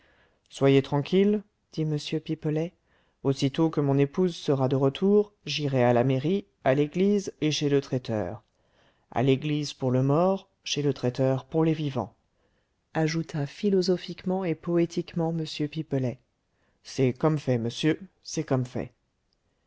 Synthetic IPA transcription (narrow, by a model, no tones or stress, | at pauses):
swajet̪χɑ̃kʲil | d̪̥iməsjøpipəlɛ | osit̪okəmɔ̃nepuzsəʁad̪əʁət̪ʰuʁʒiʁɛalameʁi | aleɡlizeʃelət̪χɛt̪œ̰ːʁ | a̰leɡlizpuʁləmɔʁ | ʃelət̪χɛt̪œʁpuʁlevivɑ̰̃ | aʒut̪ʰafilɔzɔfikmɑ̃epɔet̪ikmɑ̃məsjøpipəlɛ | sɛkɔmfɛməsjø | sɛkɔmfɛ̰